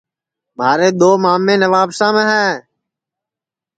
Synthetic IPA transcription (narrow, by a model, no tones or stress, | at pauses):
maːɾeːd̪oːmaːmːẽːnəʋaːpsãːmẽːɦɛ̃ː